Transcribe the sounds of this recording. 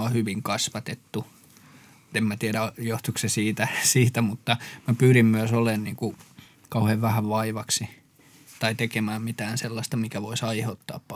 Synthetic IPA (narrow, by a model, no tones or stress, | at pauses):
ohyʋiŋkɑsʋɑt̪et̪ːu | t̪emmæt̪iæɾæjoht̪uksesiːt̪æsiːt̪æmut̪ːɑmæpyːɾimmyøsolenniːŋku | kɑuheʋʋæhæʋʋɑiʋɑksi | t̪ɑit̪ekemæːmmit̪æːnselːɑst̪ɑmikæʋoisɑiheut̪ːɑ̰ːppɑ